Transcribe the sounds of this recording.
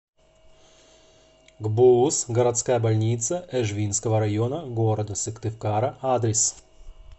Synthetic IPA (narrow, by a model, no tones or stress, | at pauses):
ɡbuusɡəɾɐt̪skajəbɐlʲnʲit̪səʔɛʐvʲinskəvəɾajonəɡoɾəd̪əsʲɨkt̪ɨfkaɾɐʔad̪ɾʲɪs